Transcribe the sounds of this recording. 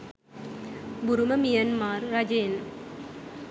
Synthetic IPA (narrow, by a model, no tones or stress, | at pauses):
bʊɾumɐmijɐnmaːɾːɐd͡ʒeːn